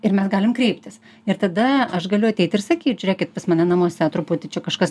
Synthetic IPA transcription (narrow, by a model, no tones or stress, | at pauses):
ɪrmʲɛsɡɑːlʲɪmkɾʲɛɪpʲt̪ʲɪs | ɪɾt̪ɐd̪ɐɐʃɡɐlʲʊɐt̪ʲɛɪt̪ɪrsɐkʲiːt̪ʲʒɾʲæːkʲɪt̪pɐsmɐnʲɛnɐmoːsʲɛt̪ɾʊput̪ʲɪt͡ʃʲɛkɐʃkɐs